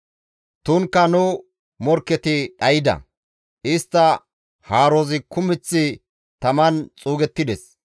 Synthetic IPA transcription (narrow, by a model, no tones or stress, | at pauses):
t̪ʊŋkːɐnʊ | mɔɾkːɛt̪ɪᶑɐjɪd̪ɐ̰ | ʔɪst̪ːɐ | haːɾozɪkʊmɪt͡sːɪ | t̪ɐmɐnt͡sʼuːɡɛt̪ːɪd̪ɛs